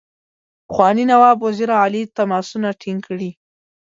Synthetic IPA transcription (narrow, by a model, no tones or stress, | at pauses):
pxwɑninawɑbwaziɾaːlit̪amɑsunaʈʰiŋkɽi